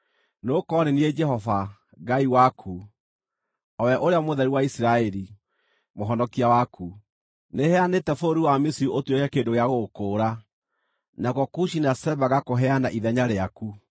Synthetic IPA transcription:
nokɔɾeniɛd͡ʒɛhɔva | ɡaiwakʰu | ɔwɛʔoɾeamoðɛɾiwaisiɾaɛɾi | moɦɔnɔkiawakʰu | nehɛanetɛfoɾuwamesiuotwekɛkendoɣeaɣokoːɾa | nakɔkuʃinasɛbaɣakoɦɛanaʔiðɛɲaɾeaku

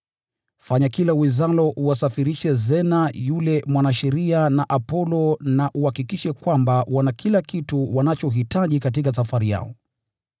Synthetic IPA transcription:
faɲakilawizalɔʔuwasafiɾiʃɛzɛnajulɛmwanaʃɛɾianaʔapɔlɔnaʔuhakikiʃɛkwambawanakʰilakituwanat͡ʃɔɦitaʄikat̬ik̬asafaɾija̰ɔ

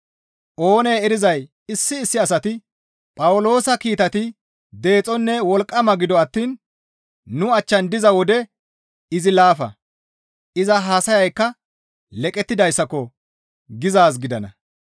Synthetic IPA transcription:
ʔo̞ːnejɛɾɪzɐj | ɪsːɪːsːɪɐsɐt̪ɪ | pʼɐwʊlo̞ːsɐkiːt̪ɐt̪ɪ | d̪e̞ːt͡sʼɔnːɛwɔlkʼːɐmɐɡɪd̪ɔɐt̪ːiːn | nʊɐt͡ʃːɐnd̪ɪzɐwɔd̪ɛ | ɪzɪlaːfɐ̰ | ʔɪzɐɦaːsɐjɐjkːɐ | lɛkʼɛt̪ːɪd̪ɐjsːɐkːɔ | ɡɪzaːs̬ɡɪd̪ɐnɐ̰

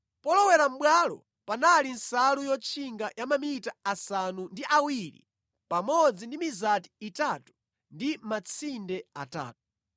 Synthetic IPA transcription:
pɔlɔwɛɾam̩ɓwalɔ̰ | panalin̩salujɔt͡ʃʰiŋɡajamamitaasanundiʔawilḭ | pamɔd͡zindimizati̥ːtatu̥ | ndimat͡sʰindɛa̰ta̰ːt̚u̥

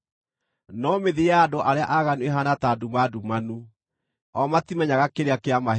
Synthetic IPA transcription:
nɔmeðiaːdoʔaɾeaʔaɣanueɦanatadumadumanu | ɔmatimɛɲaɣakeɾeakeama

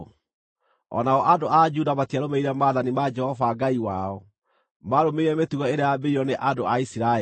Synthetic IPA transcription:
ɔ̰naɔʔadoʔad͡ʒudamatiaɾomeiɾɛmaːðanimad͡ʒɛhɔvaɡaiwaɔ | maɾomeiɾɛmetuɣɔeɾeabeiɔneʔadoaisiɾa

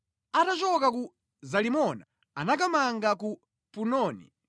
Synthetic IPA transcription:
atat͡ʃɔkaku | zalimɔna̰ | anak̬amaŋɡaku | punɔːnḭ

